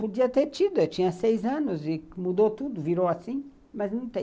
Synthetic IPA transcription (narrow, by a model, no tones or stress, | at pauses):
pud̪iɐt̪eɾt̪id̪uet̪ĩɲɐsejzɐ̃nʊzikmud̪ot̪ud̪uviɾowasĩ | mɐznɐ̃w̃t̪ẽ